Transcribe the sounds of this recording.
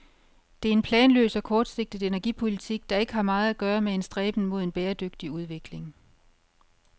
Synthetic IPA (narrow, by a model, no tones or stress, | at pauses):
d̥e̝æɐe̝npʰlɛːnlø̰ːsɒ̽kʰɒːd̥se̝ɡ̥̚d̥iðˠe̝næɐɡ̥ipʰo̝lit͡sʰiɡ̥̚d̥ɑ̈e̝ɡ̥əɦɑ̈mɑ̈ːð̞̩ˠæɡ̥ɶːɐmee̝nsd̥ʁɛːb̥n̩mo̝ð̞ˠenb̥eːɐd̥øɡ̥̚d̥iuð̞ˠʋe̝ɡ̥le̝ŋ